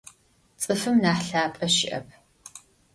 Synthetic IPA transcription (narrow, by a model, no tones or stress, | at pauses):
t͡sʼɨfɨmnaːħɬaːpʼɐʃɪ̰ʔɐ̰p̚ʰ